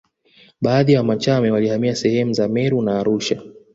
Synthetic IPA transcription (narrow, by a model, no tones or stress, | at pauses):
ɓaːðiawamat͡ʃamɛwalihamiasɛhɛmuzamɛɾunaːɾuʃa